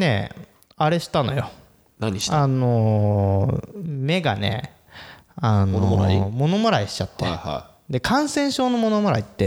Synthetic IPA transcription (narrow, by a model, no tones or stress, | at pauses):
ne̞̰ | aɾe̞ɕi̥t̪anojo̞ | naɲi̥ano | me̞ɡa̰ne̞̰ | anoaimo̞no̞moɾaiɕi̥t͡ɕat̪ːḛha̰ | d̪e̞kʰãɰ̃sẽ̞ɰ̃ɕo̞ːno̞mo̞no̞mo̟ɾa̰it̪ːe̞